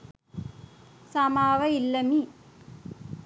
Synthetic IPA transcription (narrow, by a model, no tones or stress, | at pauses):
samaːʋɐilːɐmi